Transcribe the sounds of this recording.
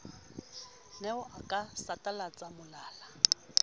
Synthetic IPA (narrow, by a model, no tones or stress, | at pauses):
nɛʊʔakʼasatʼalat͡sʼamʊlaːla